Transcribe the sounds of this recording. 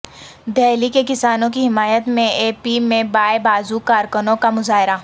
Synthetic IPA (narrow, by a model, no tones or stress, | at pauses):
d̪ɛːlikekɪsaːnõkiɦɪmaːjət̪mẽeːpimẽbaːebaːzukaːɾkənõkamʊzaːɦɪɾa